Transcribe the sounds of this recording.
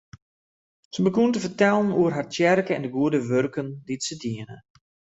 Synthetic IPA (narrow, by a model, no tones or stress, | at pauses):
səbəkuntəfərtɛlˠənuərɦartjɛrkəɛ̰ndəɡuədəʋørkənditsədiənə̰